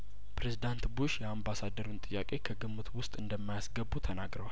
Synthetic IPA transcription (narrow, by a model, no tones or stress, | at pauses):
pɾezid̪ant̪buʃjɛambasad̪əɾunt̪ʼɨjːakʼe̞kʰəɡɨmːɨt̪wʊst̪ʼɨnd̪əmːajasɡəbːut̪ʰənaɡɾəwal